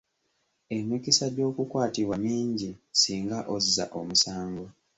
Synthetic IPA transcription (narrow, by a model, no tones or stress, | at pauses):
emikisadjo̞ːkukwaːtiβwaɲiːɲɟisiːŋɡaʔozza̰ʔomusaːŋɡwa